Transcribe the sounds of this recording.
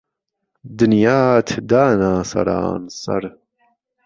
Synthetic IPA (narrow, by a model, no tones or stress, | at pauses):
d̪ɨnjaːt̪ʰd̪aːnaːsɐ̰ɾa̰ːnsɐ̰ɾ